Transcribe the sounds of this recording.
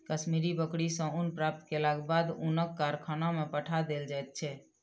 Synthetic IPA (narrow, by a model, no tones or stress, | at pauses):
kəsmiɾibəkɽisə̃unpɾap̚t̪kelaɡbad̪unəkːaɾkʰənamepəʈʰad̪eld͡ʒajt̪̚t͡ʃʰɛ